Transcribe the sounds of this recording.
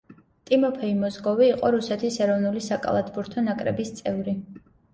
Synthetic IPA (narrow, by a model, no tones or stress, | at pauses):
t̪ʼimɔpʰɛimɔzɡɔviːqʼɔɾusɛt̪ʰisɛɾɔvnulisakʼa̰lˠat̪ʰbuɾt̪ʰɔnakʼɾɛ̰bist̪sʼɛvɾi